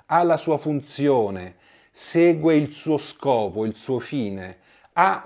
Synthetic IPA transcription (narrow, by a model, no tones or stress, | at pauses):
alasuːafunt̪sjoːne | seːɡweilsuːoskɔːpoilsuːofiːne | a